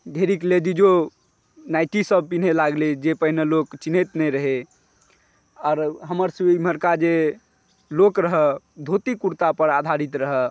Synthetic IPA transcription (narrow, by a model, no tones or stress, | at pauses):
d̪ʱeɾikled͡ʒ̪id͡ʒo | najʈisəb̚pin̤elaɡled͡ʒepəɦnelokt͡ʃinet̪nɛɾəɦe | ɔːɾɦəməɾsiməɾkad͡ʒe | lokɾəɦɛ | d̪ʱot̪ikuɾt̪apəɾad̪ʱaɾit̪ɾəɦɛ